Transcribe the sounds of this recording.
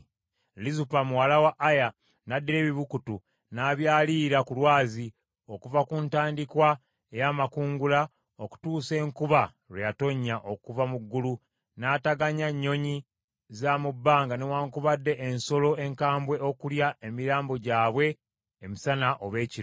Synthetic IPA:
lizupamuwalawaʔːja | nadːiɾe̞ːβiβukutu | naβjaːliːɾakulwaːzi | okuvakuntaːndikwa | ejaːmakuːŋɡula | oku̥tuːse̞ːŋkuβa | ɾwejato̞ɲːaʔo̞kuvamuɡːulu | naːtaɡaɲaɲːo̞ɲi | zamubːaːŋɡanewaːŋkuβadːe̞ʔenso̞lo̞e̞ŋkaːmbwe̞ʔokuljaemiɾaːmbo̞ɟaːβwe̞ː | misanaʔoβe̞ːci

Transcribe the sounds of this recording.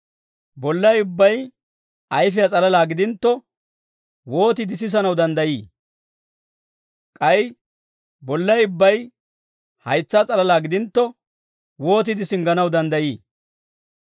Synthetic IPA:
bɔlːɐjʊbːɐj | ʔɐjfɪjɐt͡sʼɐlɐlaːɡɪd̪ɪnt̪ːɔ | wo̞ːt̪ɪd̪ɪs̬ɪs̬ɐnɐwd̪ɐnd̪ɐjiː | kʼɐj | bɔlːɐjʊbːɐj | hɐjt͡sːaːt͡sʼɐlɐlaːɡɪd̪ɪnt̪ːɔ | wo̞ːt̪̬ɪd̪ɪsɪŋɡɐnɐwd̪ɐnd̪ɐjiː

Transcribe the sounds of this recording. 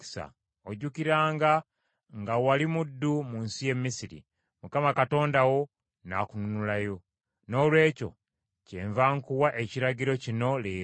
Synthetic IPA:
sa̰ | oɟukiɾaːŋɡa | ŋɡawalimudːumuːnsije̞mːisiɾḭ | mukamakato̞ːndawo̞ | na̰kununulajo̞ | no̞ːlwe̞ːco̞̰ | cḛːɱvaːŋkuwaʔe̞ciɾaɟiɾo̞cino̞leː

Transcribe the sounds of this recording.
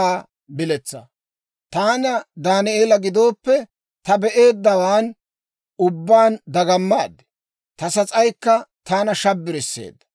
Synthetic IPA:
aː | bɪlɛt͡sːɐ̰ | t̪aːnɐd̪aːnɪeːlɐɡɪd̪o̞ːpːɛ | t̪ɐbɛʔe̞ːd̪ːɐwaːn | ʊbːaːnd̪ɐɡɐmːaːd̪ːɛ̥ | t̪ɐsɐt͡sʼɐjkːɐt̪aːnɐʃɐbːɪɾɪsːḛːd̪ːɐ̥

